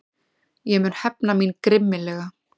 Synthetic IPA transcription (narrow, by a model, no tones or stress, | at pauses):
jɛmʏnhɛpnaminkɾɪmːɪlɛːɣa